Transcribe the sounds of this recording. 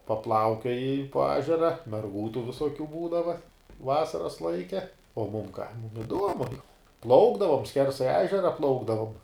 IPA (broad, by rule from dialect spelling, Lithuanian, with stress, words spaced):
pɐˈplˠɐʊkʲoːjɪ poː ˈæːʒʲɛrɐ mʲɛrˈɡuː tuː ʋʲɪsoːˈkʲuː ˈbuːdɐʋɐ ˈʋɑːsɐrɐs ˈlˠɐɪkʲɛ oː mʊm kɐ mʊm ɪˈduɔmʊ ˈplˠɐʊɡdɐʋoːm ˈsʲkʲɛrsɐɪ ˈæːʒʲɛrɐ ˈplˠɐʊɡdɐʋoːm